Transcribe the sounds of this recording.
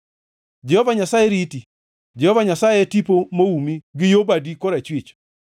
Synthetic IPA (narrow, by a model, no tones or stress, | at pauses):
d͡ʒɛhɔvaɲasajeɾiti | d͡ʒɛhɔvaɲasajetipomoumiɡɪjobadikoɾat͡ʃwit͡ʃ